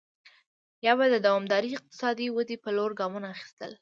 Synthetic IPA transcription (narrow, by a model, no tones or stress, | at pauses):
jɑbad̪əd̪awɑmd̪ɑɾiɪq̚t̪ɪ̥sɑd̪iwəd̪ipəloɾɡɑmunaːxi̥st̪ə̰l